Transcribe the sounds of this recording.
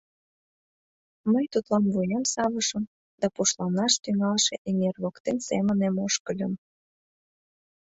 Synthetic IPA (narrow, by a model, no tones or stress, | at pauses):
məjt̪ut̪lɑnvujemsɑβəʃəm | d̪̥ɑpuʃlɑnɑʃt̪yŋɑlʃeʔeŋerβokt̪ensḛmənemoʃkəlʲə̆m